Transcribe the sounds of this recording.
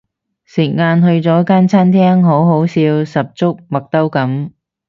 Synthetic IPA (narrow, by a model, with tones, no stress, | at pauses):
sɪ˨˩k̚ŋaː˧nɦɵ˧ɥt͡sɔː˨˥kaː˥nt͡sʰaː˥nt̪ʰɛː˥ŋɦo˨˥wɦo˨˥wsiː˧wsɐ˨p̚t͡sʊ˥k̚mɐ˨k̚t̪ɐ˥wkɐ˨˥m